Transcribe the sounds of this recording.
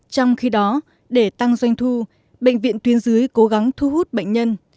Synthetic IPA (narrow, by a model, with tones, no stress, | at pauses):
t͡ɕɔ˧wŋ͡mxi˧ɗɔ˨˦ | ɗe˧˩t̪a˧ŋzwa˧jŋ̟t̪ʰu˧ | ɓə̰˧˨jŋ̟vḭ˧˨ənt̪wi˨˦ənzɨ˨˦əjko˨˦ɣa˨˦ŋt̪ʰu˧hu˦˥t̚ɓə̰˧˨jŋ̟ɲə˧n